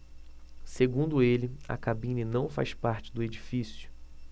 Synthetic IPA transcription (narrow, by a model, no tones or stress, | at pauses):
seɡũd̪ʊelɪɐ̰kabĩninɐ̃w̃fa̰jspaɾt͡ʃɪ̥d̪ʊed͡ʒifisjʊ̥